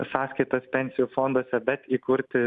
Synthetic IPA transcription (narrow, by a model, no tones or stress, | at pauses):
sɑːsʲkɐɪt̪ɐspʲɛnʲsʲɪjuːfoːnd̪uɔsʲɛbʲɛt̪iːkʊɾʲt̪ʲɪ